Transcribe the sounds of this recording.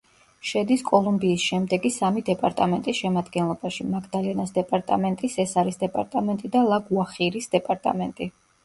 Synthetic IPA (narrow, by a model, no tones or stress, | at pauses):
ʃɛd̪iskʼɔlˠumbiːsʃɛmd̪ɛɡisamid̪ɛpʼaɾt̪ʼamɛnt̪ʼisʃɛmad̪ɡɛnlˠɔbaʃimaɡʰd̪alianasd̪ɛpʼaɾt̪ʼa̰mɛnt̪ʼisɛsaɾisd̪ɛpʼaɾt̪ʼamɛnt̪ʼid̪alˠaɡuaχiɾisd̪ɛpʼaɾt̪ʼa̰mɛnt̪ʼi